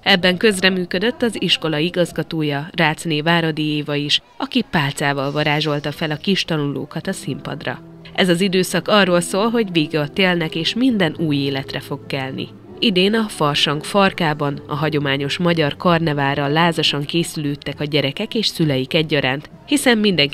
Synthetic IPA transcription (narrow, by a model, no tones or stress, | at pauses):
ɛbːɛŋkø̞zrɛmyːkød̪øt̪ːɒziʃko̞lɒiɡɒzɡɒt̪oːjɒraːt̪sneːvaːɾɒd̪ijeːvɒjiʃ | ɒkipaːlt̪saːvɒlvɒɾaːʒo̞lt̪ɒfɛlɒkiʃt̪ɒnulo̰ːkɒt̪ɒsimpɒ̰d̪rɒ̰ | ʔɛzɒzid̪øːsɒkɒrːoːlsoːlɦo̞ɟveːɡɒt̪eːlnɛkeːʃmind̪ɛnuːjeːlɛt̪rɛfo̞kːɛlnḭ | id̪eːnɒfɒrʃɒŋkfɒrkaːbɒnɒ̰ɦɒɟo̞maːɲo̞ʃmɒɟɒrkɒrnɛvaːɾɒlːaːzɒʃɒŋkeːsyløːt̪ːɛkɒɟɛɾɛkɛkeːʃsylɛjikɛɟːɒɾaːnt̪ | hisɛmːind̪ɛŋ